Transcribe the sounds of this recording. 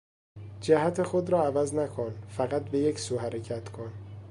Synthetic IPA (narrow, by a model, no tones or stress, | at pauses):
d͡ʒæɦæt̪ʰe̞xod̪ɾɒːævæznækʰonfæɣæt̪̚be̞jecsuːɦæɾecʰæt̪kʰon